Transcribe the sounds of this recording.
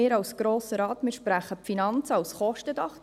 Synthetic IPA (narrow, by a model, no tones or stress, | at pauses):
ɪːɾɑwsɡ̥ɾoːsəɾɑːt̪mɪʃpɾæχəpfinɑnt͡sɑwsχɔʃtədɑχ